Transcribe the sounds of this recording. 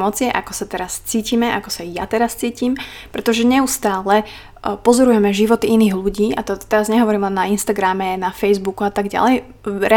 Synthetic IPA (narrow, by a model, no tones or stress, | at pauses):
mɔt͡sɪɛʔakɔsat̪ɛɾast͡siːcimɛʔakɔsaja̰t̪ɛɾast͡siːciːm | pɾɛt̪ɔʒɛɲɛust̪aːlɛ | pɔzɔɾujɛmɛʒiʋɔt̪iiniːɣluɟiːʔat̪ɔt̪ɛɾazɲɛɦɔʋɔɾiːmlɛnːainst̪aɡɾamɛnafɛjzbukuat̪aɡɟa̰lɛj | ɾɛ